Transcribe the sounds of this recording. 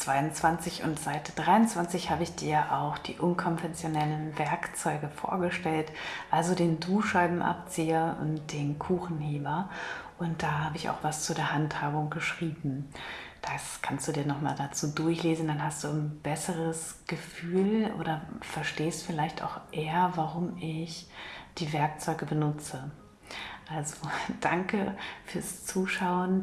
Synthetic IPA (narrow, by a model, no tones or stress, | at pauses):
t͡sv̥aɪʊnt͡sv̥ant͡sɪçʊ̰ntz̥aɪtʰəd̥ʁaɪʊnt͡sv̥ant͡sɪçhaːbəɪçd̥iːɐjaʔaʊxd̥ḭːʔʊnkʰɔnvɛnt͡sjonɛlənvɛɐkt͡sɔʏɡəfo̰ːɐɡəʃtɛltʔalzodeːnduːʃaɪbm̩ʔa̰p̚t͡siːɐʔʊ̰ntd̥eːnkʰuːxn̩heːbɐʔʊnt̚d̥aːɦaːbəɪça̰ʊxv̥ast͡sudeːɐhanthaːbʊŋɡ̥əʃʁ̥iːbm̩d̥askʰanstd̥uːdiːɐnɔχma̰ːldat͡suːdʊɐçleːzn̩danhast̚d̥uːnb̥ɛsəʁəsɡ̥əfyːlʔo̰ːɾɐfɛɐʃteːstfɪlaɪçta̰ʊxʔeːɐvaʁʊmɪçd̥iːvɛɐk̚t͡sɔʏɡəbənʊt͡sə | ʔalzod̥aŋkəfyːɐst͡suːʃaʊən